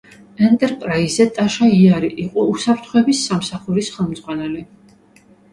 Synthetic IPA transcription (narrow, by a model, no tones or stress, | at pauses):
ɛnt̪ʼɛɾpʼɾaizɛt̪ʼaʃaiaɾiʔiqʼɔusapʰɾt̪ʰχɔɛbisːamsaχuɾisχɛlˠmd̪zʁwanɛli